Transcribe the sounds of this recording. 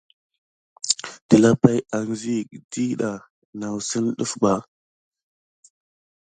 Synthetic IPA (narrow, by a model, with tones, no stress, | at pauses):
ti˨la˦pa˦ja˨ŋ˨zi˦˨di˦ɗa˨ | na˨wsə˦nɗṵ˦fba˨